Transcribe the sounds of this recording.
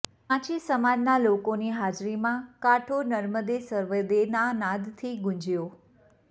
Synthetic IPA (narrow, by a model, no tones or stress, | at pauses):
pãt͡ʃisəmad͡ʒnalokoniɦad͡ʒɾimãkaʈʰonəɾməd̪esəɾʋəd̪enanãd̪t̪ʰiɡʊ̃ɲd͡ʒjo